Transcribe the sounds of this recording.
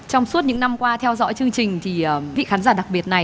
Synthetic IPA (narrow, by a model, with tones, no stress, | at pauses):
t͡ɕɔ˧wŋ͡msu˦˥t̚ɲɨ̰˧˥ŋna˧mkwaː˧t̪ʰɛ˧wzɔ̰˧˥jt͡ɕɨ˧əŋt͡ɕï˨˩ŋ̟t̪ʰi˨˩əː˨˩vḭ˧˨xaː˨˦nzaː˧˩ɗa˨˩k̚ɓi˨˩ət̚na˨˩j